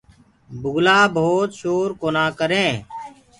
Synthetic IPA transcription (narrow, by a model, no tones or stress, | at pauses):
bʊɡlaːbʱoːt̪ʃoːɾkoːnaːkəɾẽː